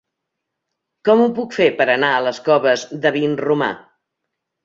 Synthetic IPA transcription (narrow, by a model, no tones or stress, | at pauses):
kɔmupukfepəɾənaələskɔβəzðəβinruma̰